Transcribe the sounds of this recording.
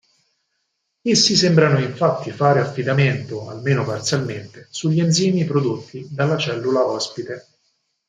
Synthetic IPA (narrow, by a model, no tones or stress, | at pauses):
esːisembɾanoiɱfat̪ːifaːɾeafːid̪ament̪oa̰lmeːnopart̪sjalment̪esuʎːienziːmipɾod̪ot̪ʰːid̪alːat͡ʃɛlːulaɔspit̪e